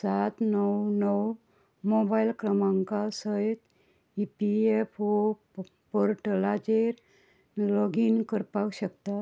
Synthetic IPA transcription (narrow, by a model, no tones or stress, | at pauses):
sat̪nəwnəw | mɔbailkɾəmãŋkasəit̪ | ipiefʰo | pɔɾʈəlad͡ʑeɾ | lɔɡinkəɾpawɕəkt̪a